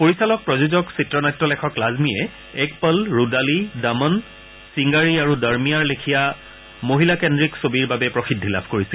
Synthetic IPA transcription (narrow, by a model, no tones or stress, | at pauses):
poɹisalɔk̚pɹɔzuzɔksitɹɔnajtɹɔlɛkʰɔklazmiɛ | ɛkpəlɹudalidamɔn | siŋɡaɹiaɹudaɹmijaɹlekʰija | moɦilakendɹiksobiɹbabɛpɹɔxidʱːila̰bʱkoɹisi